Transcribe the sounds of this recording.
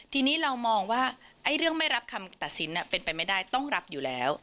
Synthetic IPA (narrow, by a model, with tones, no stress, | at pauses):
t̪ʰiː˧niː˦˥ɾa˧wmɔː˧ŋwaː˥˩ʔa˥˩jɾɯ˥˩əŋma˥˩jɾa˦˥p̚kʰa˧mt̪a˨˩t̪̚si˩˦nʔa˨˩pe˧npa˧jma˥˩jdaː˥˩jt̪ɔ˥˩ŋɾa˦˥p̚juː˨˩lɛː˦˥w